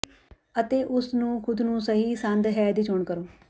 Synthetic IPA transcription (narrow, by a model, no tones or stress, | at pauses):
ət̪eːʔʊsnũːkʰʊd̪nũːsəɦiːsə̃nd̪ɦɛːd̪iːt͡ʃʰoːɳkəɾoː